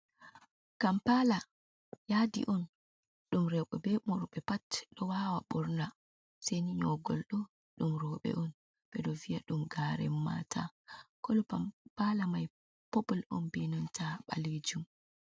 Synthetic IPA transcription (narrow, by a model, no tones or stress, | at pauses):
kampala | jadḭʔɔn | ɗumɾɛkɔbɛmɔɾɓɛpatɗɔwaːwaɓɔɾna | seniɲɔɡɔlɗɔ | ɗumɾɔːɓɛ̰ʔɔn | ɓɛɗɔvijaɗumɡaːɾɛ̰mːa̰tʰa̰kɔlpalamaj | pɔpulɔ̰nbinɔntʰaɓa̰led͡ʒum